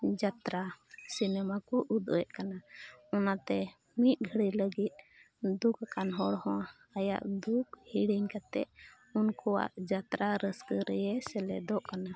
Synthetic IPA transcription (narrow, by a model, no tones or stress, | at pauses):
d͡ʒat̪ɾasinɛmakɔʔud̪ɔ̰jɛʔkanaɔnat̪ɛ | mit̪̚ˀɡʱəɽiləɡit̪̚ | d̪ukakanɦɔɽhɔ̃a | aja̰ʔd̪ukhiɽiɲkat̪ɛ̰ʔ | unkɔwa̰ʔd͡ʒat̪ɾaɾəskəɾɛjɛsɛlɛd̪ɔʔkana